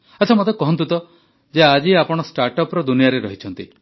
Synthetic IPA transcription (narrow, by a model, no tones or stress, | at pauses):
at͡ʃʰɔmot̪ekɔɦɔnt̪̬ut̪ɔ | d͡ʒead͡ʒiapɔɽ̃ɔsʈaɾʈɔpɾɔd̪unijaɾeɾɔɦit͡ʃʰɔnt̪i